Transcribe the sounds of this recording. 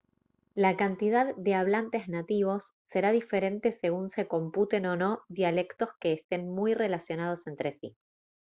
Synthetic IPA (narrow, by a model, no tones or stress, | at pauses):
lakant̪ið̞aðːe̞aβlant̪e̞znat̪iβ̞o̞sːe̞ɾaðife̞ɾe̞nt̪ese̞ɣunse̞ko̞mput̪e̞no̞no̞ðjale̞kt̪o̞ske̞ːst̪e̞nmujre̞lasjo̞nað̞o̞se̞nt̪ɾe̞sḭ